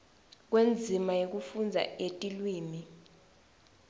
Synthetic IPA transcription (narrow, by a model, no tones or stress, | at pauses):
k̬wend͡zʱimajok̬ufund͡zʱa̰etʼilwiːmi